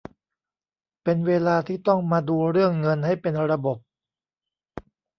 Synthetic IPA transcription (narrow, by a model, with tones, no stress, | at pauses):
pe˧nweː˧laː˧t̪ʰiː˥˩t̪ɔ˥˩ŋmaː˧duː˧ɾɯ˥˩əŋːɤ˧nha˥˩jpe˧nɾa˧bo˨˩p̚